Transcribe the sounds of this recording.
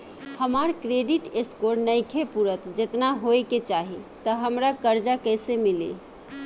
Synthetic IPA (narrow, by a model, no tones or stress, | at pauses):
həmaɾkɾeɖiʈeskoɾnəjkʰepuɾət̪d͡ʒet̪naɦoeket͡ʃaɦit̪əɦəmɾakəɾd͡ʒakəjsemilḭ